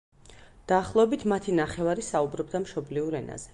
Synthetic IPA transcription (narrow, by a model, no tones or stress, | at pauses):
d̪̥aːχlˠɔɛbit̪ʰmat̪ʰinaχɛvaɾisaubɾɔbd̪amʃɔbliuɾɛna̰zɛ